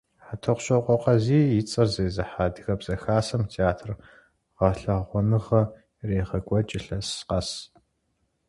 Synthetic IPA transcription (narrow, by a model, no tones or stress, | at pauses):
ħatʰɐqʷɕʼɐqʷʼɔqɐziːjɪt͡sʼɐrzɐzɐħaːdɨxɐbz̥ɐxaːsɐmtʰeaːtʰr | ʁɑɬɐʁʷɔnɨʁɐ | reːʁɐɡʷɔt͡ʃʼɪɬɐsqɐs